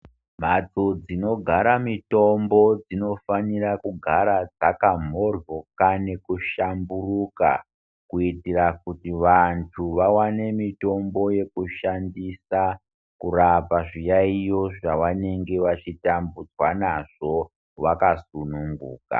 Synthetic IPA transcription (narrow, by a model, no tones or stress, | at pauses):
m̤at͡sod͡zino̞ɡʱaɾamito̞mbo̞d͡zino̞fanirakuɡʱaɾad͡zakam̤o̞rjo̞kane̞kuʃamburuka̰ | kuitirakutiʋantʰuʋawane̞mito̞mbo̞je̞kuʃandisa | kurapaʐijaijo̞ʐaʋane̞ŋɡe̞ʋat͡ʃitambud͡zwanaʐ̥o̞ | ʋakasunuŋɡṵːka̰